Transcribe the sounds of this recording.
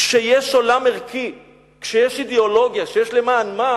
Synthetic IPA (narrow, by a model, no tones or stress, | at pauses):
kʃejeʃolameʁki | kʃejeʃid̪eolo̞ɡjaʃejeʃlemaːnma